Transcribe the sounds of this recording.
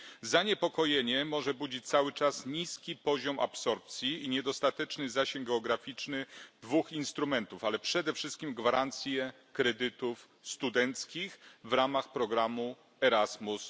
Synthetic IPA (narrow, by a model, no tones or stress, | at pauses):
zaɲepɔkɔjeɲɛmɔʐɛbud͡ʑit͡ɕt̪sawɘt͡ʂasɲiskʲipɔʑɔma̰psɔɾp̚t̪sʲjiiɲɛd̪ɔst̪at̪ɛt͡ʂnɘzaɕɛŋɡɛɔɡɾafʲit͡ʂnɘd̪vuxinst̪ɾumɛnt̪ufalɛpʂɛd̪ɛfʂɘst̪̚kʲimɡvaɾant̪sʲjɛ | kɾɛd̪ɘt̪uf | st̪ud̪ɛnt̪skʲixvɾamaxpɾɔɡɾamu | ɛɾazmus